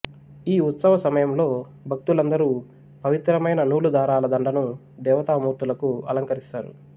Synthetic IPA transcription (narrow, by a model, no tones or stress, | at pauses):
iːut̪sɐʋɐsɐmɐjɐmlo̞ː | bʱɐk̚t̪ulɐnd̪ɐɾuː | pɐʋit̪ɾɐmɐjnɐnuːlud̪aːɾaːlɐd̪ɐɳɖɐnu | d̪ɛːʋɐt̪aːmuːɾt̪ulɐkuɐ̰lɐŋkɐɾist̪aːɾṵ